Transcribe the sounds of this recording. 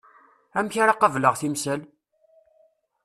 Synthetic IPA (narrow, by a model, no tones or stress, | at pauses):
æmçaɾaqəvləʁθimsəl